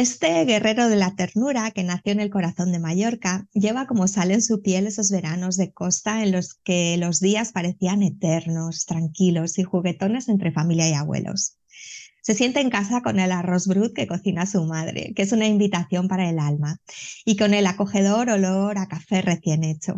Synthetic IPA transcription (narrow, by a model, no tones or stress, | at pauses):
e̞st̪e̞ɣe̞re̞ɾo̞ð̞e̞lat̪e̞ɾnuɾake̞naθjoene̞lko̞ɾaθo̞nd̪e̞maʝo̞ɾkaʝe̞β̞ako̞mo̞salensupje̞le̞so̞zβe̞ɾano̞zðe̞ko̞st̪ae̞nlo̞ske̞lo̞zðiaspaɾe̞θiane̞t̪e̞ɾno̞st̪ɾaŋkilo̞sixuɣe̞t̪o̞ne̞se̞nt̪ɾe̞familjaiaɣwe̞̰lo̞̰sː | e̞sje̞nt̪e̞ːŋkasako̞ne̞laro̞zβɾuðke̞ko̞θinasumaðɾe̞̰ke̞sunaimbit̪aθjo̞mpaɾae̞lalmaiko̞ne̞lako̞xe̞ð̞o̞ɾo̞lo̞ɾakafe̞re̞θje̞ne̞t͡ʃo̞̰